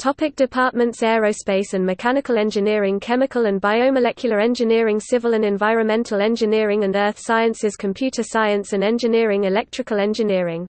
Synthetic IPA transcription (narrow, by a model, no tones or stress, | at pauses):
tʰɒpɪk̚d̥ɪpʰɑˑʔmə̃ntsɛɹəʊspeɪsə̃nmɪkʰanɪkəlɛ̃nd͡ʒɪnɪəɹɪ̃ŋkʰɛmɪkʰələ̃nbaɪəʊməlɛkʰjl̩ˠəɹɛ̃nd͡ʒɪnɪəɹɪ̃ŋsɪvələ̃nɛ̃ɱvaɪɹə̃nmɛ̃ntʰəlɛ̃nd͡ʒɪnɪəɹɪ̃ŋə̃nɜˑθsaɪə̃nsɪz̥kʰə̃mpʰj̥ʉˑtʰəsaɪə̃nsə̃nɛ̃nd͡ʒɪnɪəɹɪ̃ŋɪlɛk̚tʰɹ̥ɪkəlɛ̃nd͡ʒɪnɪəɹɪ̃ŋ